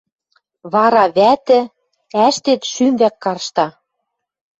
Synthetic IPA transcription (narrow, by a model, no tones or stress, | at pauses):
βɑɾɑβæt̪ɘ̆ | æʃt̪et̪ʃymβækːɑrʃt̪ɑ